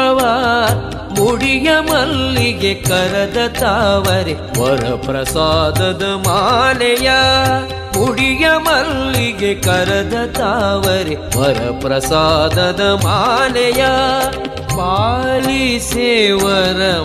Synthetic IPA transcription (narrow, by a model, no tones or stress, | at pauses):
ʋɐ | muɽijɐmɐlːiɡekɐɾɐd̪ɐt̪aʋɐɾe | ʋɐɾɐ̰pɾɐsaːd̪ɐd̪ɐmaːlɐja | muɽijɐmɐlːiɡekɐɾɐd̪ɐt̪aːʋɐɾeʋɐɾɐ̰pɾɐsaːd̪ɐd̪ɐmaːnɐja | baːliseʋɐɾɐ